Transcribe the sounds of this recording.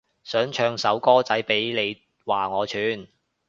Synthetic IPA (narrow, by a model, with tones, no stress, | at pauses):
sœː˨˥ŋt͡ʃʰœː˧ŋsɐ˨˥wkɔː˥t͡sɐ˨˥jpe˨˥jle˨˧j | waː˨˩ŋɔː˨˧t͡ʃʰyː˨˥n